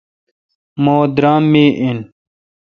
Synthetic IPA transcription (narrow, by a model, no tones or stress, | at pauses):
moːd̪ɾaːmːiːʔin